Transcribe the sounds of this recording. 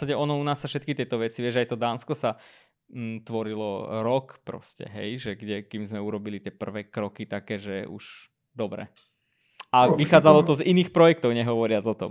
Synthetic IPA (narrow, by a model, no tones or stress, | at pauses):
saɟɛɔnɔunaːsːafʃɛt̪kit̪ɪɛt̪ɔʋɛt͡siʋɪɛʒajt̪ɔd̪aːnskɔsa | t̪ʋɔɾilɔɾɔkpɾɔ̰scɛ̰ɦɛjʒɛɡɟɛkimzmɛuɾɔbilit̪ɪɛpr̩ʋɛːkɾɔkit̪akɛːʒɛṵʒ̥ | d̪ɔbɾɛ̰ | aʋixaːd͡zalɔt̪ɔziniːxpɾɔjɛk̚t̪ɔʊɲɛɦɔʋɔɾɪad͡zɔt̪ɔm